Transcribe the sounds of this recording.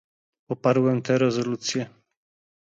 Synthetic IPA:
pɔpaɾwɛmt̪ɛɾɛzɔlut̪sʲjɛ

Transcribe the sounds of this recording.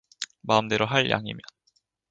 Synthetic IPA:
maɯmdeɾoɦaɭjʔa̰ŋḭmjʌn

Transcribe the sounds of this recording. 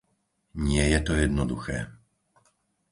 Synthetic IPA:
ɲɪɛjɛt̪ɔjɛd̪nɔd̪uxɛ̰ː

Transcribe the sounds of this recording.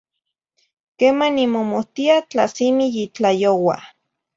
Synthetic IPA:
keːmanimomoht̪iat͡ɬasimijit͡ɬajowa̰

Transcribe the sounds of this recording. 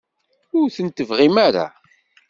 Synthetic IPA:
ʊɾθənt̪əvʁimaɾa̰

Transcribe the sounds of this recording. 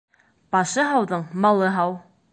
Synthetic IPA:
b̥ɑʃɤɦɑwðɤɴmɑlˠɤɦɑw

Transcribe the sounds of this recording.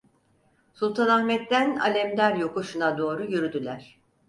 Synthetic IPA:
sulˠt̪ʰanahmɛt̪ːæna̰lʲɛmd̪ʲæɾjo̞kuʃunad̪o̞ːɾujyɾyd̪ylʲæɾ̥

